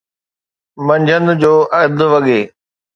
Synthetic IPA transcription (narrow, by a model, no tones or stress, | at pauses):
mɐ̃ɲd͡ʑʱənd͡ʑoːʔɐd̪ʱʊʋɐɠeː